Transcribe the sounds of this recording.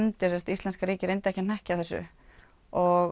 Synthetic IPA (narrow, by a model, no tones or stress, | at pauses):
nt̪ɪsɛst̪ist̪lɛnskaɾiːcɪɾejnt̪ɪɛhcɪn̥ɛhcaθɛsːʏ̰ | ɔɣ